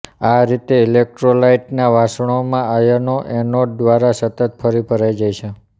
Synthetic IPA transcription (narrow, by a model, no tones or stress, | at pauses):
aɾit̪eilek̚ʈɾolaiʈnaʋasəɳ̃omãajənoʔenoɖ̚d̪ʋaɾasət̪ət̪fʰəɾipʰəɾajd͡ʒajt͡ʃʰe